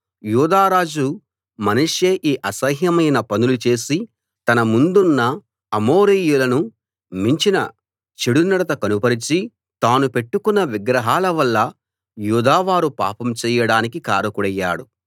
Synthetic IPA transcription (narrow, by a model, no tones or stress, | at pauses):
juːd̪aːɾaːd͡ʒu | mɐnuʂjeːʔiːʔɐsɐɦjɐmɐjnɐpɐnulut͡ʃe̞ːsi | t̪ɐnɐmund̪unːɐː | moːɾiːjulɐnu | miɲt͡ʃinɐ̰ | t͡ʃeɽunɐɽɐt̪ɐkɐnupɐɾit͡ʃi | t̪aːnupe̞ʈːukunːɐʋiɡɾɐɦaːlɐʋɐlːɐ | juːd̪aːʋaːɾupa̰ːpɐmt͡ʃɛːjɐɽaːnikika̰ːɾɐkuɽɐjːa̰ːɽu